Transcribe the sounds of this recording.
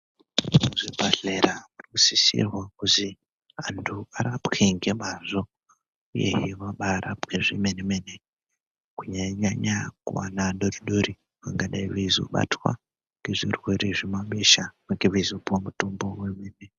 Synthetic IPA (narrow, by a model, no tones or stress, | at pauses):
uʐibʱaɮeɾamurikusisḭrwakuzi | antʰuaɾapkeŋɡe̞maʐo | ujḛɦiʋaɓaɾʔa̰pkeʐimenemene | kuɲaɲaɲakṵwa̰naɗoriɗoɾi | ʋaŋɡaɗaiʋeizo̰ɓa̰twa̰ | ŋɡe̞ʐirwe̞ɾeʐemaɓeʃamaɡeʋezopomutombo̞wemeːne